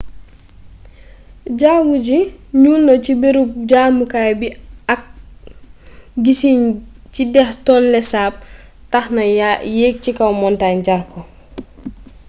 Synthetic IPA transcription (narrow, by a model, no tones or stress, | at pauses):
ɟaːɡuɟiɲuːlnɐcibeɾup̚ɟaːmukajbiak̚ | ɡisiɲt͡ʃidɛxtɔːnlɛsaːp̚taxnɐjeːk̚cikɐwmɔntaːɲɟaɾkɔ